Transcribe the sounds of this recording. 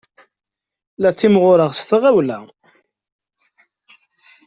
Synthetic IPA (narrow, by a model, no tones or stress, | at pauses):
læt͡sːimʁʊɾəʁsθəʁæwlæ